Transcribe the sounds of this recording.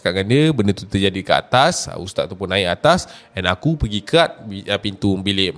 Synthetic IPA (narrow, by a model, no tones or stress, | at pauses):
kaʔŋandiəbənət̪ut̪əd͡ʒadikəa̰t̪asṵst̪at̪̚at̪apʊnaɪʔat̪asɛnakupəɡikʰat̪̚bipint̪ubilɪm